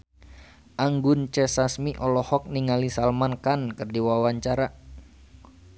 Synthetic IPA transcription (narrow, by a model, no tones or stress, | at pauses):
ʔaŋɡunt͡ʃɛsasmiʔɔlɔhɔk̚niŋalisalmankankɨrdiwawaɲt͡ʃaɾa